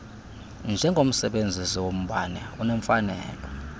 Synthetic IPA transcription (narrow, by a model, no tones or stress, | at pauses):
nd͡ʒʱɛŋɡʱom̩sɛɓend͡zʱisiwom̩ɓanɛunɛɱfanɛːlɔ